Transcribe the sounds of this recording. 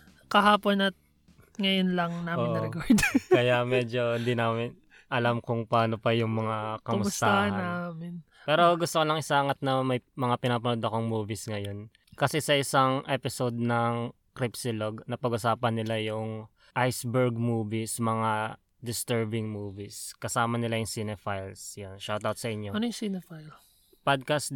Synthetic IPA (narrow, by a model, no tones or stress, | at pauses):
kɐɦaːponɐt̪̚ | ŋɐjonlɐŋnaːoɪnnʔ̪ɐɾɛkaɹd̪ɛɐjamɛːd͡ʒo̞ɪnd̪inaːmɪn | ʔɐlamkʊŋpaːnopɐjʊŋmɐŋakɐmʊʊst̪aahaɐnaːmɪn | pɛːɾoɡʊst̪okolɐŋɪsaŋɐt̪̚nɐmɐjmɐŋapɪnaːpɐnod̪ɐko̞ŋmuːvisŋɐjo̞n | kɐsɛsɐʔɪsaŋʔɛpɪsod̪̚nɐŋ | kɾipsɪloɡnɐpɐɡʊsaːpɐnːɪlajʊŋ | ʔajsbɛɹɡ̚muːvismɐŋa | d̪ɪst̪ɛɹbɪŋmuːviskɐsaːmɐnɪlajʊŋsɪnɛfajlsjonʃawt̪awt̪̚sɐʔɪɲjoɐnojʊsinɛfajl | pad̪̚kas